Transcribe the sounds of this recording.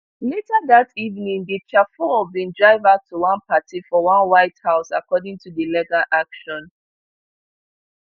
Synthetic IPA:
letaðativnĩŋdit͡ʃafɔbĩndɹaɪvatʰuwãnpʰatifɔwãnwaɪthaʊsakɔdĩŋtʰudəlɛɡaʔakʃɔ̃n

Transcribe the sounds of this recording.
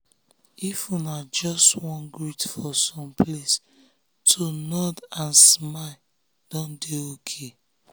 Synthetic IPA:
ifunad͡ʒɔstwɔ̃nɡɹutfɔsɔ̃mples | tʰonɔdãnsma | d̥ɔ̃ndeokʰe

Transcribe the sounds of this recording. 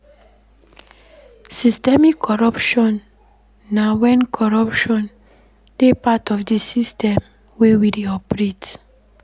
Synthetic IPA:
sistɛmikʰːɔɹɔpʃɔ̃nː | awɛ̃nkʰɔɹapʃɔ̃n | d̥epatɔfdisistʰɛ̃m | wewideɔpɹet

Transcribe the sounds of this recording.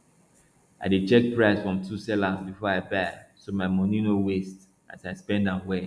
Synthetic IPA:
a̰ɪdet͡ʃɛk̚pɹaɪsfɹɔ̃mtʰusɛlabifɔaɪbasomaɪmɔnĩnowest | a̰taɪspɛ̃ndãmwɛ

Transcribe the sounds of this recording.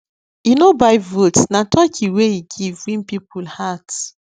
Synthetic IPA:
inobaɪvotsnatʰɔkʰiweiɡivwĩmpipulhat

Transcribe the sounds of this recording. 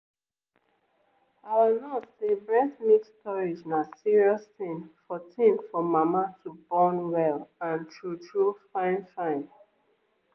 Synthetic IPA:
awinɔsebɹɛθmittɔɹid͡ʒnasiɹiɔstĩnfɔtʰĩnfɔmamatʰubɔ̃nwɛlãntʰɹutʰɹufãɪ̃nfãɪ̃n

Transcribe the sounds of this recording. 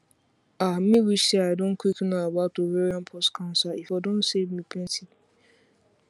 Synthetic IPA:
am̩mĩwisiaɪdõnkʰwiknaabatoveɾiãnpʰɔstkʰãʊ̃nsaifadõnsevmipʰɛ̃nsin

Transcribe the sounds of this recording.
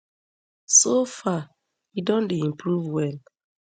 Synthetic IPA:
sofa | idɔ̃ndeĩmpɾuvwɛl

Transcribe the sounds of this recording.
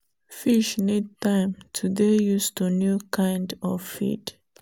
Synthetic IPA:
fiʃnid̚tãɪ̃mtʰudejustunjukʰãɪ̃ndɔffḭd

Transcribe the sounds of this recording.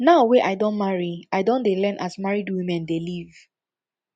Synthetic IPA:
naʊweʔaɪdõnmaɹiaɪdɔ̃ndelɛnʔasmaɹidwĩmɛ̃ndeliv

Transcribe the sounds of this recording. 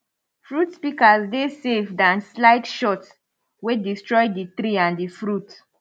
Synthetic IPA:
fɹutspikazdesefdãnslaɪtʃɔts | wedistɹɔjdit̪ɾiãndifɹut

